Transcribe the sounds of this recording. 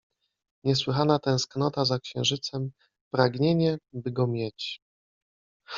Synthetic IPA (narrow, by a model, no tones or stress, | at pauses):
ɲɛs̬wɘxanat̪ɛ̃w̃sknɔt̪azakɕɛ̃w̃ʐɘt̪sɛm | pɾaɡɲeɲɛbɘɡɔmʲjɛt͡ɕ